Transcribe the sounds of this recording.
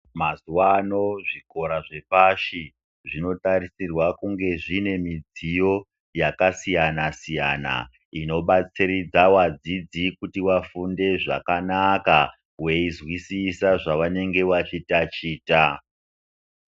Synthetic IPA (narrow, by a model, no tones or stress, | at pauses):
mazuwano̞ʐiko̞ɾaʐe̞paʃi | ʐino̞taɾisirwakuŋɡe̞ʐine̞mid͡zijo̞ | jakasijanasija̰ːna̰ | ino̞ɓat͡sirid͡zawad͡zid͡zikutiwafunde̞ʐa̰kanaka | we̞izwisisaʐaʋane̞ŋɡe̞ʋat͡ʃitat͡ʃiːta